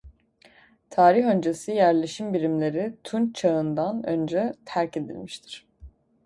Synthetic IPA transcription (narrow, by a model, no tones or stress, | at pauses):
t̪ʰaːɾixø̞nd͡ʒe̞sijæɾlʲe̞ʃimbiɾimlʲe̞ɾit̪ʰunt͡ʃʰaɯnd̪anø̞̰nd͡ʒɛt̪ʰæɾce̞d̪ḭlʲmiʃt̪ʰi̥ɾ̥